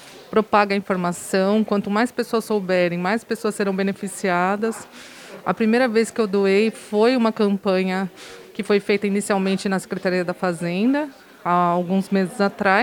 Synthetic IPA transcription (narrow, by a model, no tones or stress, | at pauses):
pɾopaɡɐĩfoɾmasɐ̃w̃kwɐ̃nt̪ʊmajspesoɐsːowbɛɾẽj̃majspesoɐsːeɾɐ̃w̃benefisiad̪ɐs | ɐ̰pɾimejɾɐveskɪewd̪uejfojũmɐkɐ̃mpɐ̃ɲɐkɪfojfejt̪ɐinisiawmẽnt͡ʃɪnɐse̥kɾet̪aɾiɐd̪ɐfazẽnd̪ɐ | aːwɡũzmezɪzat̪ɾa